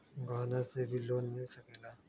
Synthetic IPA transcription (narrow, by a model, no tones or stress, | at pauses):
ɡaːnasebʱiloːnːesɐkeːla